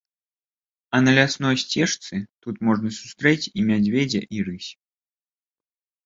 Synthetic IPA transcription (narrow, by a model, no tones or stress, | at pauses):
ɐnɐlʲasnɔjsʲt͡sʲɛʂt̪sɨt̪ut̪mɔʐnɐsu̥st̪ɾɛt͡sʲimʲad͡zʲvʲɛd͡zʲɐ̰ʔiɾɨsʲ